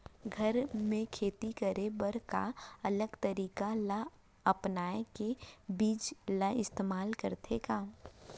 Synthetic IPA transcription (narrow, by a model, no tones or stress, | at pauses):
ɡʱəɾmẽkʰeːt̪ikəɾebəɾka̰ələɡt̪əɾiːkala | əpnaːekebiːd͡ʒlaɪst̪eːmaːlkəɾt̪ʰekaː